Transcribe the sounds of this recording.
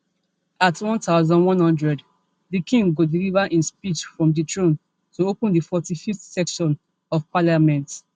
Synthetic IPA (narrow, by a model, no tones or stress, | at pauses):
atwɔ̃ntaʊzɔ̃ndwɔ̃nhɔ̃ndɹɛd | dikʰĩŋɡodilivaʔĩnspit͡ʃfɹɔ̃mditʰɹõn | tuopə̃ndifɔtififtsɛkʃɔ̃n | ɔvpalamɛ̃nt